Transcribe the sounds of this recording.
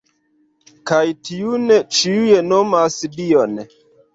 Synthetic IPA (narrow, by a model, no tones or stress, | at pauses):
kajtiunet͡ʃiujenomasdion